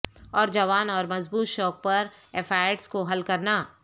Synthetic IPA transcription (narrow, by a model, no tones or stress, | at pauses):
ɔːɾd͡ʒɐʋaːnɔːɾmɐzbuːt̪ʃɔːk̚pɐɾ | eːfʰaːeʈskoɦɐlkɐɾnaː